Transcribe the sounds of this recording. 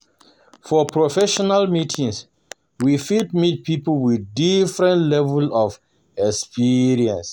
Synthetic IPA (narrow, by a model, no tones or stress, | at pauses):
fɔpʰɹofɛʃɔnalmitʰĩŋs | wifit̚mit̚pipolwiθdifɹɛ̃ntlɛvulɔv | ɛkspiɹiɛ̃ns